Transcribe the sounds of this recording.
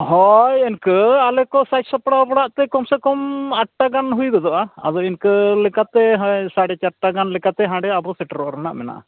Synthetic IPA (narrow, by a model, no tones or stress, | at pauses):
ɦɔjɛnkɯalɛkɔsajsɔpɽawpɔɽaʔt̪ɛkɔmsɛkɔmaʈʈːaɡanɦujd̪ɔd̪ɔʔaa̰d̪ɔinkɯlɛkat̪ɛɦɔjsaɽɛt͡ʃaʈːaɡanlɛkat̪ɛɦãɖɛabɔsɛʈɾɔʔɾɔna̰ʔmɛna̰ʔ